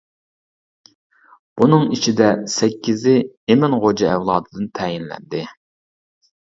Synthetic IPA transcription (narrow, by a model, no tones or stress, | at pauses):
b̥unɨŋit͡ʃʰid̪ɛsɛkʲʰːizɪemɪnʁod͡ʒɑɛwlˠɑːd̪ɨd̪ɨnt̪ʰɛjinlɛ̰nd̪ɪ